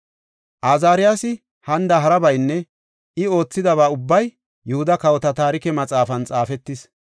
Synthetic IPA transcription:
ʔaːzaːɾɪjasɪ | hɐnd̪ɐɦɐɾɐbɐjnːɛ | ʔɪo̞ːt͡sːɪd̪ɐβaːʊbːɐj | jʊhʊd̪ɐkɐwɔt̪ɐt̪aːɾɪkɛmɐt͡sʼaːfɐnt͡sʼaːfɛt̪ːɪs

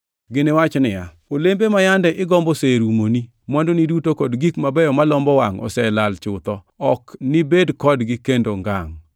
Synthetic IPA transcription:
ɡɪnewat͡ʃnɪja̰ | olembemajandɛʔɪɡɔmbɔseɾumoni | mɔndonidutokɔdɡikmabɛjɔmalɔmbɔwaŋɔ̰sɛlalt͡ʃʊt̪ɔ | ɔknɪbedkɔdɡɪkendoŋɡa̰ŋ

